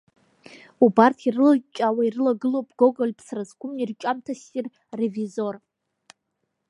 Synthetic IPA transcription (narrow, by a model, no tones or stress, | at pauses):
ubartʰirɨlt͡ʃʼawairɨlaɡɨlowpʼɡo̞ɡolʲpʰsrazkʷʊmirt͡ʃʷʼamtʰasʼir | revizor